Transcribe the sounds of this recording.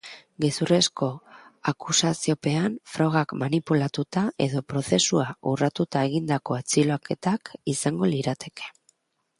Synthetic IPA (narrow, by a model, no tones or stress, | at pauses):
ɡe̞sure̞sko̞akusasio̞pe̞anfɾoɣ̞akmanipulat̪ut̪ae̞̰ðo̞pɾo̞θe̞suaurat̪ut̪ae̞ɣ̞ind̪ako̞at͡silake̞t̪akisaŋɡo̞liɾat̪e̞ke̞̥